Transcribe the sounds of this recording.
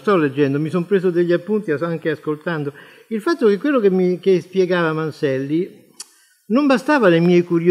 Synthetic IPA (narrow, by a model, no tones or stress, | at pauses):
st̪ɔlːed͡ʒːɛnd̪omisompɾeːszod̪eʎːiapːunt̪iasaŋkeaskolt̪and̪o | ilfat̪ːokekːwelːokemːikespjɛɡaːvamansɛlːi | nombast̪aːvanemjɛjkuɾjo